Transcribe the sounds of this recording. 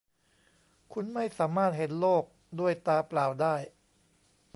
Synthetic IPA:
kʰu˧nma˥˩jsaː˩˦maː˥˩t̪̚he˨˩˦nloː˥˩k̚ | du˥˩əjt̪aː˧plaː˨˩wdaː˥˩j

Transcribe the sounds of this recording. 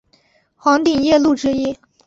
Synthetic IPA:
xwɑ˧˥ŋt̪i˨˩ŋjɛ˥˧lu˥˩ʈ͡ʂɻ̩˥i˥˩

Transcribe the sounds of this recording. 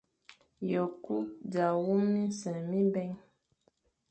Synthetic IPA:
jɔ˨ku˦da˨wu˦mĩ˦sɛ̃˨mĩ˦bɛ˦ŋ

